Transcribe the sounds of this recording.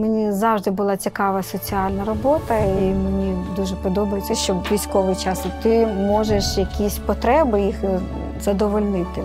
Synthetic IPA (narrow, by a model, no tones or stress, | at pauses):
menʲizɑwʒd̪ɪbʊlˠɑt͡sʲikɑʋɐsɔt͡sʲiɑlʲnɐɾɔbɔt̪ɐimenʲid̪uʒɛpɔd̪ɔbɐjet͡sʲːɐʃt͡ʃɔbʋʲijsʲkɔʋɪjt͡ʃɑst̪ɪmɔʒeʃjɐkʲisʲpɔt̪ɾɛbɪjix | z̥ɐd̪ɔʋɔlʲnɪt̪ɪ